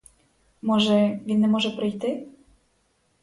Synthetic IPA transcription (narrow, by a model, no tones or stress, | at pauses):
moʒɛʋʲinːɛmoʒɛpɾɪjt̪ɪ